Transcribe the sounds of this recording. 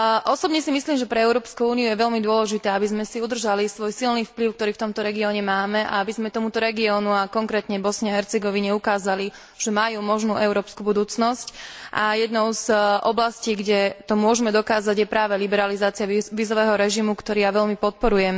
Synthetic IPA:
ʔɔsɔbɲɛsimisliːmʒɛpɾɛɛʊɾɔːpskuuːniujɛʋɛʎmid̪ʊɔlɛʒit̪ɛːabizmɛsiud̪r̩ʒalisʋɔjsilniːfpliʊk̚t̪ɔɾiːkt̪ɔmt̪ɔɾɛɡiɔɲɛmaːmɛʔa̰abizmɛt̪ɔmut̪ɔɾɛɡiɔːnuakɔŋkɾɛːt̪ɲɛbɔsɲaɦɛɾt͡sɛɡɔʋiɲɛukaːzali | ʒ̥ɛmajuːmɔʒnuːʔɛʊɾɔːpskubud̪uːt͡snɔscʔa̰jɛd̪nɔʊzʔɔblasciːɡɟɛt̪ɔmʊɔʒɛmɛd̪ɔkaːzaɟjɛpɾaːʋɛlibɛɾalizaːt͡siaʋiːzɔʋɛːɦɔɾɛʒimukt̪ɔɾiːjaʋɛʎmipɔt̪̚pɔɾujɛm

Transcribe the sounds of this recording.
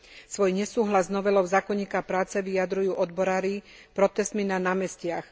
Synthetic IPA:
sʋɔjɲɛsuːɦlaznɔʋɛlɔʊzaːkɔɲiːkapɾaːt͡sɛʋiad̪ɾujuːʔɔd̪bɔɾaːɾi | pɾɔt̪ɛst̪minanaːmɛscɪax

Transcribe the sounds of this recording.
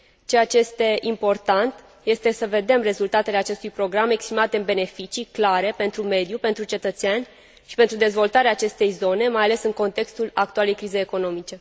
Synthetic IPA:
t͡ʃe̞jat͡ʃe̞je̞st̪e̞ʔimpo̞rt̪ant̪ | je̞st̪e̞səve̞d̪e̞mre̞zult̪at̪e̞leat͡ʃe̞st̪ujpɾo̞ɡɾame̞kspɾimat̪eɨnbe̞ne̞fit͡ʃiklaɾe̞pe̞nt̪ɾume̞d̪jupe̞nt̪ɾut͡ʃe̞t̪ət̪seanʲ | ʃipe̞nt̪ɾud̪e̞zvo̞lt̪aɾeaːt͡ʃe̞st̪e̞jzo̞ne̞majale̞sɨŋko̞nt̪e̞kst̪ulak̚t̪uale̞jkɾize̞jeko̞no̞mit͡ʃe̞

